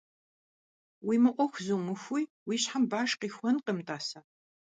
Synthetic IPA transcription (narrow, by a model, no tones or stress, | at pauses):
wiːmɨʔʷɔxʷzumɨxʷuj | wiːɕħambaːʂqiːxʷɔnqəmtʼaːsaː